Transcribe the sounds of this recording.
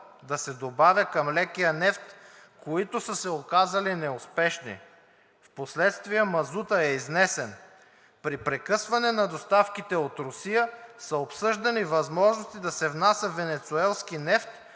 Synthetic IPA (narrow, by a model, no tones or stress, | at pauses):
d̪ɐsɛd̪obavʲjəkɐmlɛkijənɛft̪koit̪osəsɛokazɐlinɛʊspɛʃnḭ | fposlɛt̪st̪vijəmɐzut̪əɛiznɛsɛn | pɾipɾɛkɤsvɐnɛnɐd̪ost̪afkit̪ɛot̪ɾʊsijəsəopsɤʒd̪ɐnivɐzmɔʒnost̪id̪ɐsɛvnasjəvɛnɛt̪suɛlˠskinɛft̪